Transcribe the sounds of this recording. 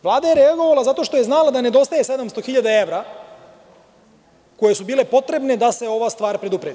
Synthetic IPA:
ʋlˠaːd̪aje̞ɾeaɡo̞ʋalazat̪o̞ʃt̪o̞je̞znalad̪ane̞d̪o̞st̪ajese̞d̪amst̪o̞xiʎad̪ae̞ʋɾa | ko̞je̞subiːle̞po̞t̪ɾe̞bned̪aseo̞ʋast̪ʋaːɾpɾed̪upɾed̪

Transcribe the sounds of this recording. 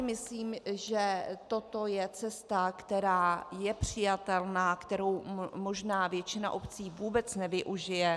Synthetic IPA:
mɪsliːmʒɛt̪o̞t̪o̞jɛt͡sɛst̪akt̪ɛɾaːjɛpr̝̥ɪjat̪ɛlnaːkt̪ɛɾo̞wmo̞ʒnaːvjɛt͡ʃɪna̰ʔo̞pt͡siːvuːbɛt͡snɛvɪʔuʒɪjɛ

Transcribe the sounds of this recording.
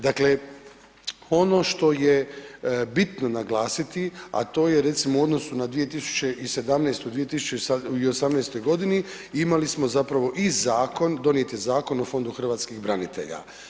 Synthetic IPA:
d̪akle̞ | o̞no̞ʃt̪o̞je | bit̪no̞naɡlˠaːsit̪ia̰t̪o̞ːjeɾe̞t̪simouo̞d̪no̞sunad̪ʋije̞t̪isu̥t͡ɕeʔise̞d̪amnejst̪od̪ʋije̞t̪isu̥t͡ʃeaio̞samnejst̪o̞jɡo̞d̪ini | imalismo̞zapɾaʋo̞ʔizaːko̞nd̪o̞nije̞t̪izaːko̞nofo̞nd̪uxr̩ʋaːt̪skiɣbɾanit̪e̞̰ʎa̰

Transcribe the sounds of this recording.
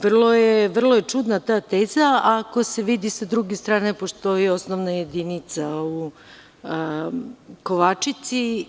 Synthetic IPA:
ʋrlˠo̞jeʋr̩lˠojet͡ʃud̪nat̪aːt̪eːzaako̞se̞ʋid̪isad̪ɾuɡest̪ɾaːnepo̞ʃt̪o̞io̞snoʋnaje̞d̪init̪sau | ko̞ʋat͡ʃit̪si

